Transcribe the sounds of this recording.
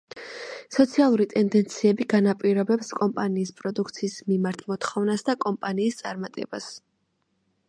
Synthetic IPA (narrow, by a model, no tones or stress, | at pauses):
sɔt̪sʰialˠuɾit̪ʼɛnd̪ɛnt̪sʰiɛbiɡanapʼiɾɔbɛpskʼɔmpʼaniːspʼɾɔd̪ukʰt̪sʰiːsmimaɾt̪ʰˠmɔt̪ʰχɔvnasd̪akʼɔmpʼaniːst̪sʼaɾmat̪ʼɛ̰bas